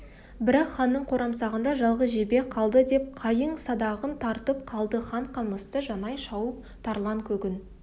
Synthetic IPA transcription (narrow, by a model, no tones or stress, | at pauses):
bɪɾɑqχɑnːəɴqʰoɾʔɑmsɑʁənd̪ɑʒɑlˠʁəzʒe̞be̞qʰɑlˠd̪əd̪e̞p̚qʰɑjəɴsɑd̪ɑʁənt̪ʰɑɾt̪əp̚qʰɑlˠd̪əχɑɴqʰɑməst̪əʒɑnɑjʃɑwəp̚ | t̪ʰɑɾlˠɑŋkʲʰɵɡʲɪn